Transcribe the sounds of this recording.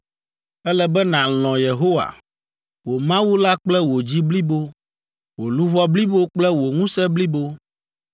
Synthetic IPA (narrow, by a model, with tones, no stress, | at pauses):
ɛ˦lɛ˨bɛ˦nã˨l̃ɔ̃˨je˨ɦo˦wa̰˨ | wo˨mã˦wu˦la˦k͡plɛ˦wo˨d͡ʑi˦bli˦bo˦ | wo˨lu˦βɔ˦bli˦bo˦k͡plɛ˦wo˨ŋũ˦sɛ˦bli˦bo˦